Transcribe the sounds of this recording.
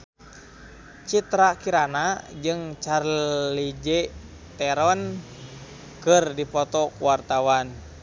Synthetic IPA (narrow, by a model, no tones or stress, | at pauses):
t͡ʃit̪ɾakiɾanad͡ʒɨŋt͡ʃarlid͡ʒɛ | t̪ɛɾɔn | kɨrdipɔt̪ɔkuwart̪awan